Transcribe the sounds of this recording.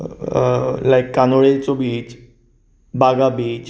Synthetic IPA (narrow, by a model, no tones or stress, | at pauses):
lajkːanoɭet͡sobiːt͡ʃ | baɡabiːt͡ʃ